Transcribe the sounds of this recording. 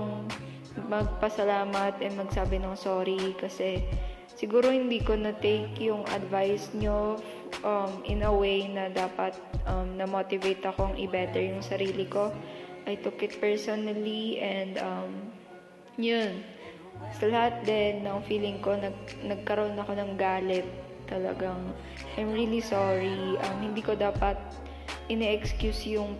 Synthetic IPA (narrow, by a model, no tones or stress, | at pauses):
ŋ | mɐɡ̚pɐsɐlaːmɐt̪ɛmɐɡsaːbɪnoŋsoːɾikɐsɛ | sɪɡuːɾo̞hɪnd̪iːkonɐt̪ejkjʊŋʔɐ̰d̪vajsɲo | ʔɐmʔɪnɐwejnɐd̪aːpɐt̪̚ʔɐmnɐmoːt̪ɪvejt̪ɐkoŋʔɪbɛt̪ɛɹjʊŋsɐɾiːlɪko̞ʔɐjt̪ʊkɪt̪̚pɛɹsonɐliʔɛnd̪ɐm | jon | sɐlɐhat̪̚d̪ɛnːɐŋfiːlɪŋko̞nɐɡ̚nɐɡ̚kɐɾoʔoonɐko̞nɐŋɡaːlɛt̪ː | ɐlɐ̰ɡaŋ | ʔajmɹiːlisɔɹiʔɐmhɪnd̪iːko̞d̪aːpɐt̪̚ | ʔɪnɛʔɛkskjusjʊŋ